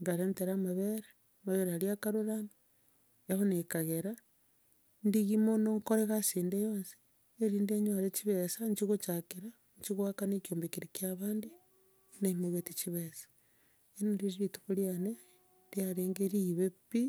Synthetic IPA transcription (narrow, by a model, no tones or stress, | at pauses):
ŋɡaɾenteɾamaβeɾaːmaβeɾehaɾiakaɾuɾana | ehonekaɣeɾa | ndiɣimonoŋkoɾeɣasiːndejoːnsi̥ | eɾiːndeɲwaɾet͡ʃiβesaɲt͡ʃiɣot͡ʃakiɾa | ɲt͡ʃiɣwakanekjoːmbekiɾikjaβaːndi | naimoβetit͡ʃiβesḁ | enonɾiɾiβituβuljane | diaɾeːŋɡeɾiβepi